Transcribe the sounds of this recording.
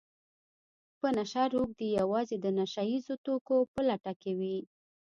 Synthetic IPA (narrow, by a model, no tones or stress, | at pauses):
pənaʃaɾuɡ̚d̪ejawɑzed̪ənaʃajizot̪okopəlaʈakewi